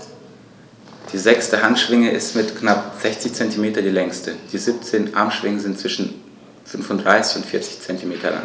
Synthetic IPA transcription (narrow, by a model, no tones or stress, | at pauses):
d̥iːzɛkstəɦantʃv̥ɪŋəʔɪstmɪtknapz̥ɛçt͡sɪçt͡sɛntimeːtɐdiːlɛŋstəd̥iːzip̚t͡seːnʔa̰ɐmʃv̥ɪŋəzɪntt͡sv̥ɪʃn̩ | fʏnfʊntd̥ʁaɪsɪçʊntfɪːɐt͡sɪ̥çt͡sɛntimeːtʰɐ̰la̰ŋ